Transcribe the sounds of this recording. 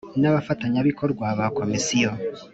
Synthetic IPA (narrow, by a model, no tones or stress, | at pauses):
naβafataɲaβiko̞ɾɡwaβako̞misijo